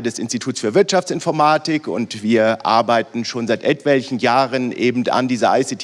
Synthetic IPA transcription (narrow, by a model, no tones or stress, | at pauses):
dɛsʔɪnstitʰuːt͡ssfyːɐvɪɐtʃaft͡sɪnfɔɐmaːtɪkʊ̰ntv̥iːɐʔʔa̰ɐbaɪtn̩ʃoːnzaɪtʔɛtv̥ɛlçn̩jaːʁənʔeːbm̩ta̰ndiːzəʔa̰ɪsɪtʰ